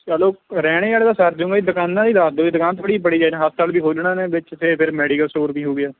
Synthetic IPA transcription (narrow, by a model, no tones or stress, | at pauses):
t͡ʃaloːɾɛːɽ̃eːaːleːd̪aːsəɾd͡ʒʊ̃ːŋɡaːiːd̪ʊkaːnːãːd̪iːd̪aːd̪oːiːd̪ʊkãːnt̪əɽiːpəɽiːd͡ʒaːnãːɦast̪aːlbiːkʰoːd͡ʒɳãːneːbɪt͡ʃtʰepʰɪɾmɛːɖiːkəlsoːɾpiːɦoːɡɪaː